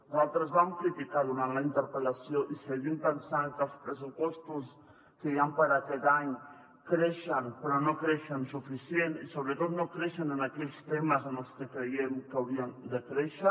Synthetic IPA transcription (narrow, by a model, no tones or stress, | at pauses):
zalˠt̪ɾəzβamkɾit̪ikaðunanlaint̪əɾpəlasjoʔiseβimpənsaŋkəlˠspɾəs̬upɔst̪us | kəiampaɾaket̪aɲ | kɾeʃənpɾɔnokɾeʃənsufisjenisoβɾət̪ot̪nokɾeʃənənakɛʎst̪eməzənəlˠst̪əkɾejenkawβiand̪əkɾeʃə